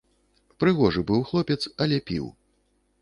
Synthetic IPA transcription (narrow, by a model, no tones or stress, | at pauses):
pɾɨɣɔʐɨbɨwxlˠɔpʲɛt̪sɐlʲɛpʲḭw